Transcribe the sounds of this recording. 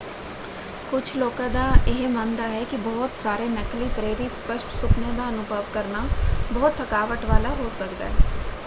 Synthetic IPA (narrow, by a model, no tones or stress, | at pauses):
kʊt͡ʃʰlɔːkãd̪aɪɦmãːnd̪aɦɛkibɔːʊt̪saːɾenəkliːpɾeːɾispəʃʈsʊkned̪aənʊbʱəʋkəɾnabɔːt̪ʰːəkaːʋəʈʋaːlaɦoːsəkd̪a̰ːɦɛː